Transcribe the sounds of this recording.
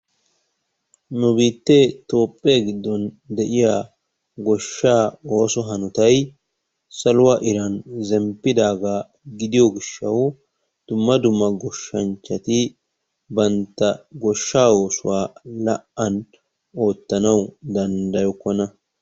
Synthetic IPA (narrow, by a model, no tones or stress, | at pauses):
nʊbiːt̪ːet̪o̞ːpʼːeːɡɪd̪ːɔn | d̪ɛʔɪja | ɡɔʃːaːo̞ːsɔɦɐnʊt̪ɐj | sɐlʊwɐʔɪɾɐnzɛmpːɪd̪aːɡaː | ɡɪd̪ɪjɔɡɪʃːɐw | d̪̥ʊmːɐd̪ʊmːɐɡɔʃːɐnt͡ʃːɐt̪ɪ | bɐnt̪ːɐɡɔʃːaːo̞ːsʊwaːlɐʔɐn | o̞ːt̪ːɐnɐwd̪ɐnd̪ɐjɔkːɔnɐ